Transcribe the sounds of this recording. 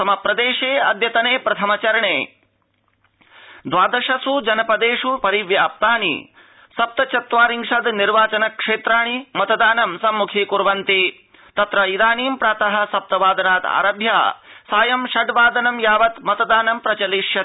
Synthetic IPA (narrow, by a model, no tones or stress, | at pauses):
sɐmɐpɾɐd̪eːʃeːɐd̪jɐt̪ɐneːpɾɐt̪ʰɐmɐt͡ʃɐɾɐɳeː | d̪ʋaːd̪ɐʃɐsud͡ʒɐnɐpɐd̪eːʂupɐɾiʋjaːp̚t̪aːnḭ | sɐp̚t̪ɐt͡ʃɐt̪ʋaːɾiŋʂɐd̪niɾʋaːt͡ʃɐnɐkʂeːt̪ɾaːɳ̃imɐt̪ɐd̪aːnɐmsɐmːukʰikuɾʋɐnt̪i | t̪ɐt̪ɾɐid̪aːniːmpɾaːt̪ɐɦɐ̆sɐp̚t̪ɐʋaːd̪ɐnaːt̪a̰ːɾɐbʱja̰ːsaːjɐmʃɐɖʋaːd̪ɐnɐmjaːʋɐt̪mɐt̪ɐd̪aːnɐmpɾɐt͡ʃɐliʃjɐ